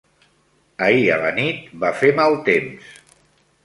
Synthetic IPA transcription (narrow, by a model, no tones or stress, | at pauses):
əiə̰lənit̪̚bafemalˠt̪ems